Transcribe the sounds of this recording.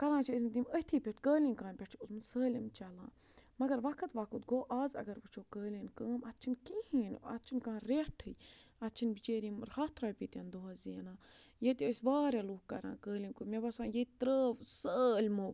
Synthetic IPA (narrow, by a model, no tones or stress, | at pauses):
kɐɾãːt͡ʃʰəsʲmt̪̬iməhʲt̪ʰiːpʲeʈʲkəːlinkaːnʲpʲeʈʰiusmɨnʲsəːlʲimt͡ʃɐlã̰ːmɐɡɐɾʋɐkʰɐt̪ʋɐkʰut̪ɡoːʔaːzɐ̰ɡɐɾpɨt͡ʃʰoːkəːlʲinkəːmɐtt͡ʃʰinkihiːnɐ̰tt͡ʃʰinʲkaːnɾeʈʰɨjɐt̪t͡ʃʰinbit͡ʃeːɾimɾhaːt̪ʰɾaːpʲit̪ʲand̪oɦɐzinaːjet̪ʲiəsʲbaːɾʲaluːkːɐɾã̰ːkəːlʲinʲkumʲebɐsãːjet̪ʲt̪ɾəːʋsəːlʲmoː